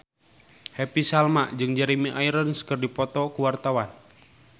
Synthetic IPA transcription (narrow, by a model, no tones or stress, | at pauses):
hɛpisalmaʔd͡ʒɨŋd͡ʒaɾimiʔaiɾənskɨrdipɔt̪ɔkuwart̪awan